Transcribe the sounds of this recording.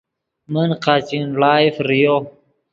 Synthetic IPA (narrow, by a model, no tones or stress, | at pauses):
mənqat͡ɕinlaːifɾijo